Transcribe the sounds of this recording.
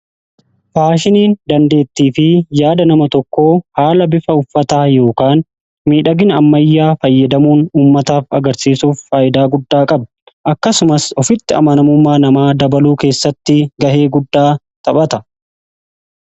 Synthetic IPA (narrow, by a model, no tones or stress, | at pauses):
faːʃɪniːnd̪ɐnd̪e̞ːt̪ːiːfɪjaːd̪ɐnɐmɐt̪ɔkːo̞ːhaːlɐbɪfɐʊfːɐt̪aːjo̞ːkaːn | miːᶑɐɡɪnɐmːɐjːaːfɐjːɐd̪ɐmuːnuːmːɐt̪aːfɐɡɐɾsiːsuːfːaːʔɪd̪aːɡʊd̪ːaːkʼɐb | ʔɐkːɐsʊmɐsɔfɪt̪ːɪɐ̰mɐnɐmʊmːaːnɐmaːd̪ɐbɐluːke̞ːsːɐt̪ːɪɡɐhe̞ːɡʊd̪ːaː | t̪ɐɓɐt̪ɐ